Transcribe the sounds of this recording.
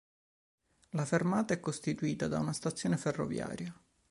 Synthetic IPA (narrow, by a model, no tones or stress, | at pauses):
lafermaːt̪aɛkːost̪it̪uiːt̪ad̪a̰unast̪at̪sːjoːneferːo̰vja̰ːɾja